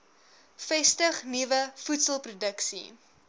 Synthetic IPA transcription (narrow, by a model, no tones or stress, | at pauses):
fɛstəχnivəfutsəlˠprudəksḭ